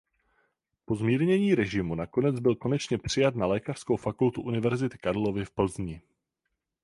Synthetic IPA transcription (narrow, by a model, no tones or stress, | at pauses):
po̞zmiːɾɲɛɲiːɾɛʒɪmunako̞nɛd͡zbɪlko̞nɛt͡ʃɲɛpr̝̥ɪjat̪nalɛːkar̥skowfakult̪uʔunɪvɛɾzɪt̪ɪ̥kaɾlo̞vɪfpl̩zɲɪ